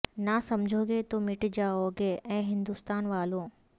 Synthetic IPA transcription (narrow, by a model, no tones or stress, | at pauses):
nasɐmd͡ʑʱoːɡet̪oːmɪʈd͡ʑaoːɡeʔɛ̃ːɦɪ̃nd̪ust̪aːnʋaːlõː